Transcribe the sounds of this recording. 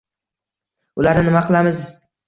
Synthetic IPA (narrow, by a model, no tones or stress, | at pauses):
ʊlaɾnɪnɪmaqʰɨlˠamɪz